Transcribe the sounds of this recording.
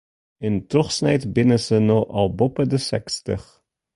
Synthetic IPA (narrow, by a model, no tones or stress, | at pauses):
ɪntrɔχsnɛjtbɪnəsənɔɑ̰lˠbɔpədəsɛ̰kstəχ